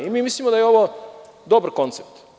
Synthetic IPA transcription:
imiːmislimod̪ajeo̞ʋod̪o̞baɾko̞nt̪sep̚t̪

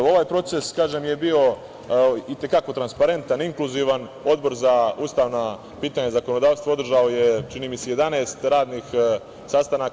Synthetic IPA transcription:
o̞ʋaːjpɾo̞t̪se̞skaːʒemje̞bio̞ | it̪e̞kako̞t̪ɾanspaɾe̞nt̪aniŋklˠuziʋan | o̞d̪̚bo̞ɾzauːst̪aːʋna | piːt̪aɲazako̞no̞d̪aːʋst̪ʋao̞d̪r̩ʒaoje̞t͡ʃiniːmiseje̞d̪aneːst̪ɾaːd̪nix | sast̪anak

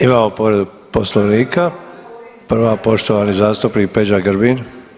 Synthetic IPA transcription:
imaːmopoʋɾed̪u | poslˠoʋniːka | prʋapo̞ʃt̪oʋanizaːst̪upnik̚pe̞d͡ʒaɡɾbin

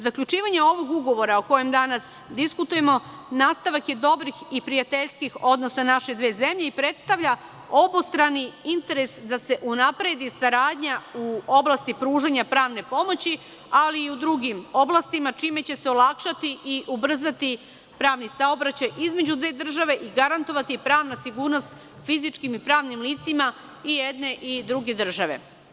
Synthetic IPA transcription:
zakʎut͡ʃiːʋaɲeo̞ʋo̞ɡuɡo̞ʋo̞ɾao̞ko̞jemd̪anas | d̪iskut̪uje̞mo | naːst̪aʋakje̞d̪o̞bɾixipɾijat̪e̞ʎʲskixo̞d̪no̞sanaʃe̞d̪ʋe̞ːze̞mʎe̞ipɾe̞t̪st̪aʋʎʲa | o̞bost̪ɾaniint̪e̞ɾe̞sd̪ase̞ʔunapɾe̞d̪isaɾaːd̪ɲauo̞blast̪ipɾuːʒaɲapɾaːʋne̞po̞mo̞t͡ɕi | aliːud̪ɾuɡimo̞blˠast̪imat͡ʃiːme̞t͡ɕe̞seo̞lˠakʃat̪iʔiʔubr̩zat̪i | pɾaːʋnisao̞bɾat͡ɕajʔizme̞d͡ʑud̪ʋe̞ːd̪r̩ʒaʋe̞ʔiɡaɾant̪o̞ʋat̪ipɾaːʋnasiɡuːɾno̞st̪ | fizit͡ʃkimipɾaːʋnimliːt̪sima | ijed̪ne̞ʔid̪ɾuɡe̞d̪r̩ʒaʋe̞̰

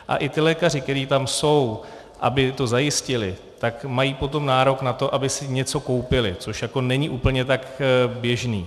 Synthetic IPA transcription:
ʔa̰ʔɪt̪ɪlɛːkar̝ɪk̚t̪ɛɾiːt̪amso̞w | ʔa̰bɪt̪o̞zajɪscɪlɪ | t̪akmajiːpo̞t̪o̞mnaːɾo̞knat̪o̞ʔabɪsɪɲɛt͡so̞ko̞wpɪlɪt͡so̞ʃjako̞nɛɲiʔuːpl̩ɲɛt̪akbjɛʒniː

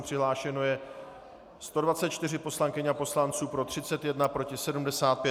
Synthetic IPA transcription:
pr̥ɪɦlaːʃɛno̞jɛ | st̪o̞dvat͡sɛt̪̚t͡ʃt̪ɪr̝ɪpo̞slaŋkɪɲapo̞slant͡suːpɾo̞t̪r̝̥ɪt͡sɛt̪jɛdnapɾo̞cɪsɛdumdɛsaːt̪̚pjɛ

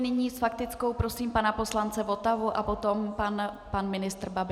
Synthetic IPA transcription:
nɪɲiːsfak̚t̪ɪt͡sko̞wpɾo̞siːmpanapo̞slant͡sɛvo̞t̪avuʔapo̞t̪o̞mpan | panmɪnɪst̪rbabɪ

